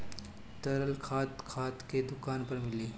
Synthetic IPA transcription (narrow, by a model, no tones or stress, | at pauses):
t̪ɐɾəlkʰaːt̪kʰaːt̪ked̪ʊkaːnpɐɾmɪliː